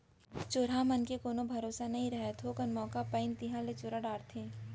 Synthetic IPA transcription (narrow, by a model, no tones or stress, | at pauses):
t͡ʃoːɾamɐnkekoːnobʱɐɾoːsanɐɦĩɾɐɦet̪ʰoːkɐnmɔːkapəɪnt̪iɦãlet͡ʃoɾaɖaːɾt̪ʰeː